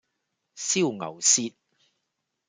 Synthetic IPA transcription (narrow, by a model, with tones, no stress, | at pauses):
si˥˩wŋɐ̰˨˩wsiː˥t̚